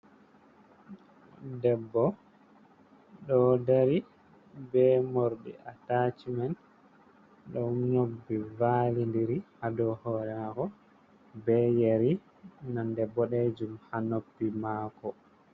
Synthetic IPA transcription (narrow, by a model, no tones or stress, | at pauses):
dɛbːɔ | ɗɔdaɾi | bɛmoɾɗḭʔatat͡ʃimɛn | ɗɔnobːivaːlindiɾihadɔhɔːɾɛnakɔ | bɛjeɾi | nandɛbːɔɗɛd͡ʒumhanobːimaːkɔ